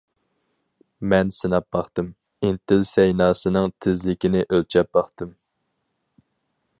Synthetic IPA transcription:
mɛnsɨnɑp̚bɑχt̪ɨm | int̪ʰɪlsɛjnɑːsɨnɨŋt̪ʰɪzlɪkʲinɪʔølt͡ʃʰɛp̚b̥ɑχt̪ɨm

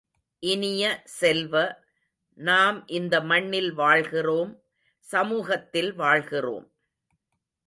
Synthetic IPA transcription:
ʔɪnɪjɐsɛlʋɐ | naːmʔɪnd̪ɐmɐɳːɪlʋaːɭɣɪroːm | sɐmuːɣɐt̪ːɪlʋaːɭɣɪro̰ːm

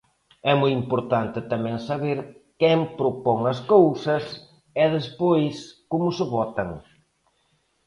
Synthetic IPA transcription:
ɛmojimpoɾt̪ant̪ɪt̪amɛ̃ŋsɐβeɾkɛmpɾopɔŋɐs̬kowsɐs | ɛðɪspojskomʊsɪβɔt̪ɐŋ

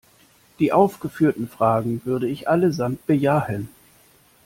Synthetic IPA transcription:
d̥iːʔaʊfɡ̥əfyːɐtn̩fʁ̥aːɡŋ̩vʏɐɾəɪçʔaləzamt̚b̥əjaːhən

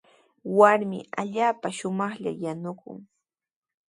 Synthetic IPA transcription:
waɾmɪ̰aʎaːpaʃʊmɑχʎa̰janʊkʊ̰ŋ

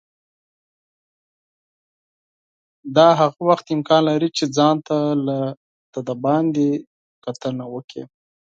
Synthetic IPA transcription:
d̪ɑɦaɣawaxt̪ɪmkɑnlaɾit͡ʃed͡zɑnt̪ala | t̪ad̪abɑnd̪e | kat̪ənawəkʰḛ

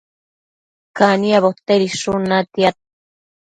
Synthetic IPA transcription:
kaniaβot̪eɾisunat̪jat̪̚

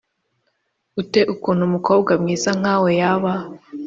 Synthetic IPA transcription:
ute̞ʔukuːn̤̥humuko̞ːbɡamŋiːzaŋ̥aːwojaβa

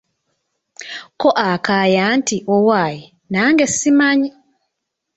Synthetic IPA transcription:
koʔakaːjaːntiʔowaːji | naːŋɡesːimaɲi

